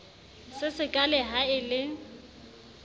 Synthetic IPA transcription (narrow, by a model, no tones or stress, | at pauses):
sɪsɪkʼalɛɦaɪlɪ